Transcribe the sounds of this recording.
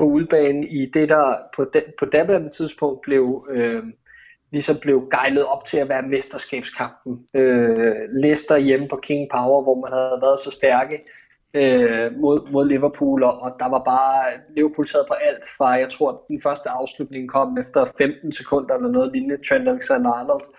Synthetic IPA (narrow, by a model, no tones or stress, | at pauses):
pʰoulb̥ɛːnn̩id̥e̝d̥æpʰɒ̽d̥pʰɒ̽d̥æbænət͡sʰið̞ˠsb̥ʰɔ̽ŋ̰d̥̚b̥le̝ʊø | lisɒ̽mb̥le̝ʊɡ̥ɑ̈ɪləð̞̩ˠɒ̽b̥̚t͡sʰe̝læʋæːɐmesd̥ɐsɡ̥ɛ̰ːb̥skʰɑ̈m̰b̥n̩ølesd̥ɐjempʰɒ̽kʰe̝ŋpʰɑ̈ʊɐʋɒmænhæðˠʋæːɐðˠsɒ̽sd̥æɐɡ̥ə | ømo̝ð̰ˠmo̝ð̞̰ˠliʋɐpʰṵːlɒ̽ʔɒ̽d̥ɑ̈ʋɑ̈b̥ɑ̈ːliʋɐpʰṵlt͡sʰsʰe̝̰ɐð̩ˠpʰɒ̽ʔæl̰d̥fʁɑ̈jɑ̈ɪt͡sʰʁo̝ɐ̰d̥enfɶɐsd̥əɑ̈ʊslud̥̚ne̝ŋkʰɒ̽m̰efd̥ɐfemd̥n̩sekʰɔ̽n̰d̥ɐelɐnɔ̽ːð̩ˠlinət͡sʰɛnælsænɑnld̥